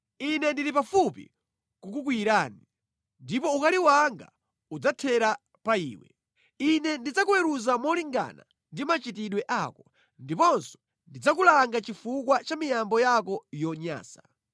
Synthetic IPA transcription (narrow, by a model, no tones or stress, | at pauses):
inɛndiɾipafupḭ | kukukwiɾaːni | ndipɔukaliwaŋɡa̰ | ud͡zatʰɛɾa | paḭːwɛ̰ | inɛndid͡zakuwɛɾuzamɔliŋɡa̰na̰ | ndimat͡ʃitiɗwɛʔakɔ | ndipɔnsɔ̥ | ndid͡zak̬ulaŋɡat͡ʃifukwat͡ʃamijambɔjakɔjɔɲa̰ːsḁ